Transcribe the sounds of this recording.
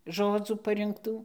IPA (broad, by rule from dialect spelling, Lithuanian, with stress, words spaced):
ˈʒoːd͡zuː pɐrʲɪŋkˈtuː